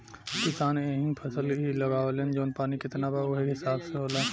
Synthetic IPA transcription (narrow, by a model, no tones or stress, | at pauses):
kɪsaːneɦĩnpʰəsəlɦiləɡaːolend͡ʒoːnpaːnikɪt̪nabaoɦiɦɪsaːbseɦoːla